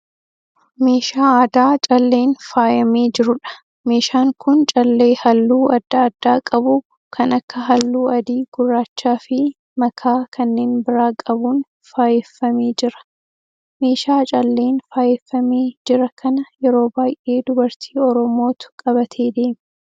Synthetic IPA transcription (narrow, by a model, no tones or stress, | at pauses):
me̞ːʃaːaːd̪aːt͡ʃʼɐlːe̞ːnfaːjɐmeːd͡ʒɪɾʊᶑɐ̥ | me̞ːʃaːŋkʰʊnt͡ʃʼɐlːe̞ːhɐlːuːɐd̪ːaːd̪̥ːaːkʼɐbuː | kʰɐnɐkːɐɦɐlːuːɐd̪iːɡ̥ʊrːaːt͡ʃːaːfɪ | mɐkʰaːkʰɐnːe̞ːnbɪɾaːkʼɐbuːn | faːjɛfːɐmeːd͡ʒɪɾɐ̥ | me̞ːʃaːt͡ʃʼɐlːe̞ːnfaːjɛfːɐmeːd͡ʒɪɾɐkʰɐnɐjɛɾo̞ːbaːjʔe̞ːd̪ʊbɐɾt̪ʰiːɔɾɔmo̞ːt̪ʊ̥kʼɐbɐt̪ʰe̞ːd̪e̞ːmɛ